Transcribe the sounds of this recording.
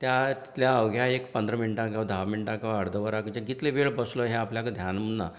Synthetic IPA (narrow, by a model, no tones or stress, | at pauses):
t̪jat̪i̥t̪ljaəʋɡʱjaekpənd̪ɾəminʈãkaʋd̪ʱaʋminʈãkaʋəɽd̪ʱəʋəɾakəd͡ʑaɡit̪leʋeɭbəslɔɦẽapljakd̪ʱjanm̤unːa̰